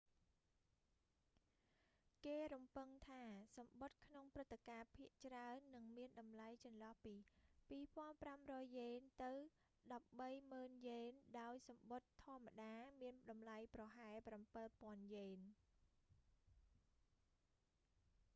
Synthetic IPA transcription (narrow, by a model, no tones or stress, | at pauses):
keːɾumpɨŋt̪ʰaːsɑmɓot̪̚kʰnoŋprɨt̪ːekaːpʰiəʔt͡ɕraənːɨŋmiənɗɑmlajt͡ɕɑnlɑhpiːpiːpŏənpramrɔːjːeːnt̪ɨw | ɗɑp̚ɓəjməːnjeːnɗaɔjsɑmɓot̪ʰːŏəmːaɗaːmiənɗɑmlajprɑɦaɛlprampɨlpŏənjeːn